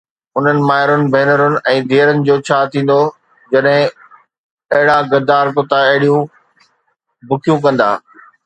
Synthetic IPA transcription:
ʊn̤ənɪ̆maːɦɪɾʊnɪ̆bʱɛːnəɾʊnɪ̆ʔɛ̃ːd̪ʱeːəɾənɪ̆d͡ʑoːt͡ɕʰaːt̪ʰĩːn̆d̪o | d͡ʑɐɗɦɪ̃ | ɐɦɪɽaɡɐɾd̪aːɾkʊt̪aɐɦɪɽijũ | bʊkʰijũk̬ɐ̃nd̪a̰ː

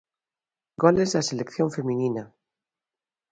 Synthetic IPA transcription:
ɡolezðaselekθjoɱfemĩnina

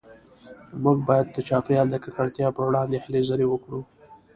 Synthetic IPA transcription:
muɡbɑjad̪ːət͡ʃɑpɾjɑld̪əkakaɽt̪jɑpəɾwɽɑnd̪ehɪlezəɾewəkɽu

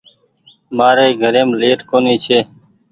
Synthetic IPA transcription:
maːɾeːɡʱəɾeːmleːʈkoːniːt͡ɕʰeː

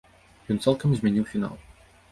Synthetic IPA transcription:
jɔnt̪sɛlˠkɐmzʲmʲɛnʲiwfʲina̰lˠ

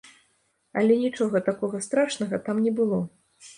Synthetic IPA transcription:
ɐlʲɛnʲit͡ʂɔɣɐt̪akɔɣɐst̪ɾaʂnɐɣɐt̪amnʲɛbɨlˠɔ

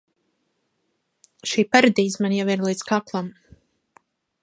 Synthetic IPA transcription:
ʃiːpaɾad̪iːzmanjaviɾlˠiːt̪skaklˠam

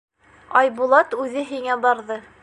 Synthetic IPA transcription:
ɑjbulˠɑt̪ʉðɘɦiŋæbɑɾðɤ

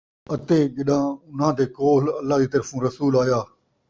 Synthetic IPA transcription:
ət̪eːd͡ʒɪɗãːʊnɦãːt̪eːkoːləlːaːd͡ʑiːt̪əɾfũːɾəsuːlaːjaː

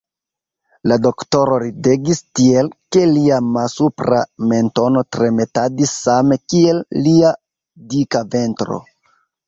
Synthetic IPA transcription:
lado̞kto̞ɾo̞ɾide̞ɡistie̞lke̞liamasupɾa̰me̞nto̞no̞tɾe̞me̞tadisːame̞kie̞lːia | dikave̞ntɾo̰

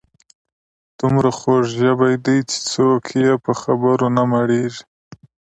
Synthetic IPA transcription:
d̪̥ʊmɾaxoʐʒabajd̪ajt͡ʃe̥t͡sokʰjepəxabəɾonamaɽeʒi̥

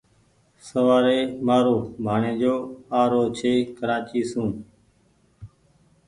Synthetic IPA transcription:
səʋaːɾeːmaːɾoːbʱaːɳẽːd͡ʒoːaːɾoːt͡ʃʰeːkəɾãːt͡ʃiːsũː

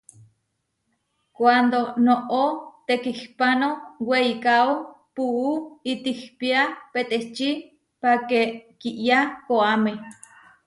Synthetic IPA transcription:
kʷand̪onoʔot̪ekihpanoweikao | puːit̪ihpiapet̪et͡ʃi | pakekiʔjakoame

